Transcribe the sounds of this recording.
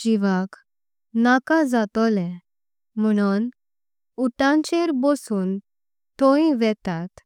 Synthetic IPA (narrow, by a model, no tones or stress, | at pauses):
d͡ʑiʋak | nakad͡zat̪ɔlɛ̃ | m̤əɽ̃un | uʈãɲt͡ɕeɾbɔsuːn | t̪oĩʋɛt̪at̪